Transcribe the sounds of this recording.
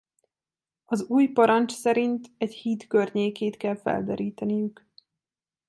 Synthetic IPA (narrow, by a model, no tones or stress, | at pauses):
ɒzuːjpɒɾɒnt͡ʃsɛɾint̪ɛchiːt̪kørɲeːkeːt̪kɛlfɛ̰ld̪ɛɾiːt̪ɛnijyk